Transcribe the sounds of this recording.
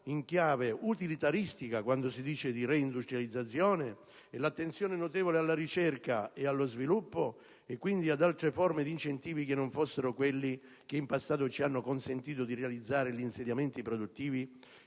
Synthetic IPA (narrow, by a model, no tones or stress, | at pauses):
iŋkjaːveut̪ilit̪aɾist̪ikakwand̪ʊsid̪iːt͡ʃed̪irɛind̪ust̪ɾjalid̪zːat̪sːjɔːne | ɛlat̪ːent̪sjɔːnenot̪ɛːvolealːaɾit͡ʃɛrkaealːozvilupːo | ɛkːwind̪iad̪alt̪ɾefɔrmed̪int͡ʃent̪iːvik̟ɪnːoɱfosːeɾʊkwelːi | k̟eimpasːaːt̪̬ʊt͡ʃianːʊkonsent̪iːt̪̬ʊd̪irealid̪zːaːɾɪʎiːnsed̪jamɛnt̪ipɾod̪ut̪ːiːvi